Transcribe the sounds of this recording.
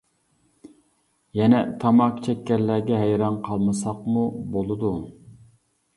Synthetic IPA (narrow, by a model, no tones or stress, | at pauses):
jɛnɛt̪ʰɑmɑqt͡ʃʰɛkʲːɛɾlːæɡʲɛɦɛjɾɑnqʰɑlˠmɨsɑqmubolˠɨd̪u